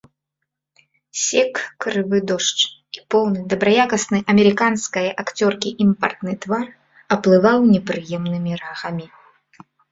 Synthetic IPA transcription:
sʲɛkːɾɨvɨd̪ɔʂt͡ʂipɔwnɨd̪ɐbɾɐjakɐsnɨʔɐmʲɛɾɨkanskɐjɐʔakt͡sʲɔrkʲiʔimpɐ̰rt̪nɨt̪var | ɐplˠɨvawnʲɛpɾɨjɛmnɨmʲiɾaxɐmʲi

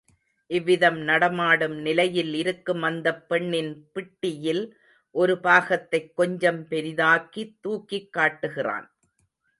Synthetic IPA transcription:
ʔɪʋːɪðɐmnɐɽɐmaːɽɯmnɪlɐjɪlɪɾɯkːɯmʋɐnd̪ɐpːɛɳːɪnpɪʈːɪjɪl | ʔɔɾɯbaːɣɐt̪ːɐɪkːɔɲd͡ʒɐmpɛɾɪðaːkit̪ːuːkːikːaːʈːɯɣɪra̰ːn

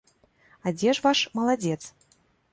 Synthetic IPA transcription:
ad͡zʲɛʂvaʂmɐlˠad͡zʲɛt̪s

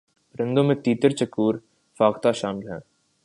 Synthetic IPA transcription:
ɾɪ̃nd̪õmẽt̪iːt̪əɾt͡ʃɐkuːɾ | faːɡt̪aʃaːmɪlɦɛ̰̃ː

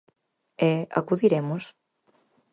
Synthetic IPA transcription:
ɛa̰kuðiɾemos

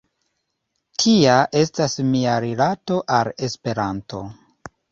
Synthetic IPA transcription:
tʰiaʔe̞stasmiaɾilato̞ʔale̞spe̞ɾanto̞̰

